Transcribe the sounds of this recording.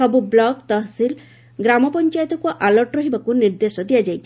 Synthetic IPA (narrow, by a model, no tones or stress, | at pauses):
ɔbublɔɡt̪ɔɦsil | ɡɾamɔpɔnt͡ʃajt̪ɔkuʔalɔʈɾɔɦibakuniɾd̪esɔd̪ijad͡ʒajt͡ʃʰi